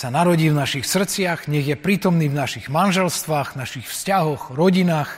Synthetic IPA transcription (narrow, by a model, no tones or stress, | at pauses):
sanaɾɔɟiːvnaʃixsr̩t͡sɪaɣɲɛɣjɛpɾiːt̪ɔmniːvnaʃiɣmanʒɛlst̪ʋaːɣnaʃixfscaɦɔɣɾɔɟinaːx